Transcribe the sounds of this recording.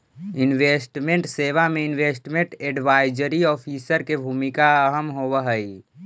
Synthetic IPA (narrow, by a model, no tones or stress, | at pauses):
inʋesʈmẽɳʈseʋameɪnʋeːsʈmẽɳʈeɖʋaːɪd͡ʒəɾiɔːpʰisəɾkebʱuːmikaəɦəmɦowəɦəi